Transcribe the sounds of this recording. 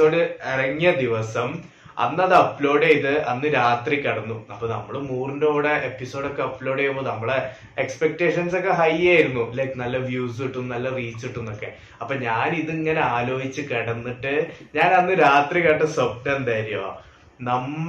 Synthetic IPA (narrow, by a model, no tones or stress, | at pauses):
oːɽɨerɐŋːɐd̪iʋɐsɐm | ɐ̰nːɐðɨɐpːlo̞ːɽejiðɨʔɐnːɨɾaːt̪rikːɐɽɐnːuɐpːoːnɐ̰mːɐɭɨmuːrɳɖoːɽeʔepːiso̞ːɖo̞kːe̞ɐpːlo̞ːɽejumbonɐmːɐɭe | ekspek̚ʈe̞ːʂɐnso̞kːe̞ɦɐjaːjiɾunːuilɐkːɨnɐlːɐʋjuːsiʈːunːnɐlːɐriːt͡ɕːiʈːunːo̞kːe̞ | ɐpːoːɲaːniðɨiŋːɐne̞aːlo̞ːɦit͡ɕːɨkɐɽɐnːiʈːɨɲaːnɐnːɨɾaːt̪rikɐʈːɐsɐb̚ʈend̪aːɾijɐoa̰ | nɐm